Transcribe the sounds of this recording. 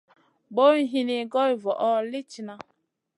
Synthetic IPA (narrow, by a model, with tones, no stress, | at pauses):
ɡ͡bo˦i˦ɦi˦ni˦ɡɔ˦i˨vɔ˨ʔɔ˦li˦t͡ʃi˨na˦